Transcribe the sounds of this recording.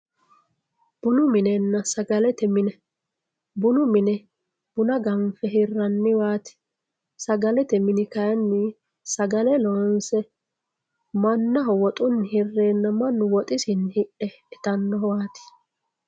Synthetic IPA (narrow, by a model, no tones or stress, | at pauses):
b̥ʊnʊmɪnɛnːɐsɐɡɐlɛt̪ɛmɪnɛ | bʊnʊmɪnɛ | b̥ʊnɐɡɐnfɛɦɪrːɐnːɪwaːt̪ɪ̥ | sɐɡɐlɛt̪ɛmɪnɪkɐjɐnːɪ | sɐɡɐlɛlɔwɐnsɛ | mɐnːɐɦɔwɔt̪ʼʊnːɪhɪrːeːnːɐmɐnːʊwɔt̪ʼɪsɪnhɪʔɛ | ɛt̪ɐnːɔwaːt̪ɪ̥